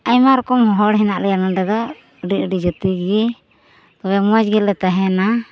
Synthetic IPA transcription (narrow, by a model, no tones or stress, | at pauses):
ajmaɾɔkɔmɦɔɦɔɽɦɛnaʔlɛjalaɖɛd̪ɔ | ɖiəɖid͡ʒət̪iɡɛ | t̪ɔbɛmɔd͡ʒɡɛlɛt̪aɦɛna